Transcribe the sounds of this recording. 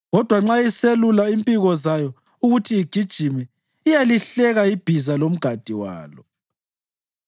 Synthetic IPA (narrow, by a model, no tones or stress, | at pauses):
ɣɔd̥ʱwaŋ͡ǁajiselulaimpʼiɣɔzajɔ | uɣutʰiiɡ̥ʱid̥ʒ̥ʱimiː | jaliɬɛɣaib̥ʱizalom̩ɡ̥ʱad̥ʱiwa̰ːlɔ